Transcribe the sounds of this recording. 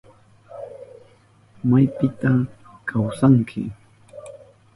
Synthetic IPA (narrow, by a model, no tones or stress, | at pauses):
majpɪt̪a | kʰawsaŋkʰɪ̰